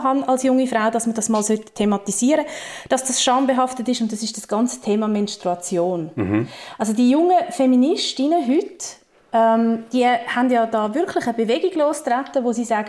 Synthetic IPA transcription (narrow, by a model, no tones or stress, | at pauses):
ɦɑnɑlsjʊŋifɾaʊdɑsmədɑsmɑːlsœttʰːemɑtiziːəɾəd̥ɑsd̥ɑsʃɑːmbeɦɑftətɪʃʊntdɑsɪʃd̥ɑsɡ̥ɑnt͡sə̥tʰeːmɑmɛnstʁuɑt͡sjoːn | ʔɑls̬odiːjʊŋəfɛminɪʃtinəɦʏt | ɛmd̥iəhandjɑːdɑːvʏɾkʰlɪχəbevɛɡiɡloːstratːəʋosiːsaːɡə